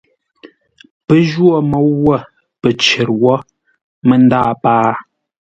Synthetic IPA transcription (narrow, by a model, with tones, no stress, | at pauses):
pə˦ʒwɔ˦˨mə˦wːə˦˨ | pə˨t͡ʃə˨ɾwɔ˦ | mə˦˨n˦daː˦˨paː˦